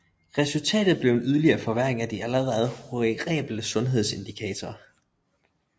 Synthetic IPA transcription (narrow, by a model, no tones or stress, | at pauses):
ʁɛsult͡sʰɛ̰ːd̥ð̩ˠb̥le̝ʊe̝nyð̞ˠɐliɐːfɒ̽ʋæɐ̰e̝ŋæd̥iæləʁɛð̞ˠhoʁiɡ̥ʁɛ̰ːb̥l̩əsɔ̽nɦe̝ð̞̰ˠse̝nd̥ikʰɛ̰ːt͡sʰɐː